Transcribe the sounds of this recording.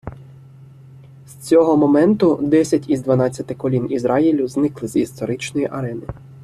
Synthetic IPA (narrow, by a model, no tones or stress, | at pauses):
sʲt͡sʲɔɦɔmɔmɛnt̪ʊd̪ɛsʲɐtʲizd̪ʋɐnɑt͡sʲːɐt̪ɪkɔlʲinizɾɑjilʲʊznɪklˠɪzist̪ɔɾɪt͡ʃnɔjiʔɐɾɛnɪ